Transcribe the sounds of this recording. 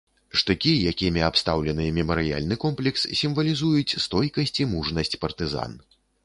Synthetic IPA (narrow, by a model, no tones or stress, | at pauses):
ʂt̪ɨkʲijakʲimʲiapst̪awlʲɛnɨjɛmʲɛmɐɾɨja̰lʲnɨkɔmplʲɛkssʲimvɐlʲizujut͡sʲst̪ɔjkɐsʲt͡sʲimuʐnɐsʲt͡sʲpɐrt̪ɨza̰n